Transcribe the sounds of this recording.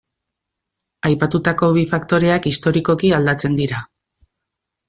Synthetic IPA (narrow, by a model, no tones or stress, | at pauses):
ajpat̪ut̪ako̞βifakt̪o̞ɾe̞akist̪o̞ɾiko̞kiald̪at͡se̞nd̪iɾa